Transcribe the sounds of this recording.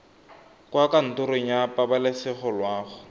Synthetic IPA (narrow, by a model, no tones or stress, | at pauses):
kwakan̩tʊɾɪɲapʼabalɪsɪχɔlwaːχʊ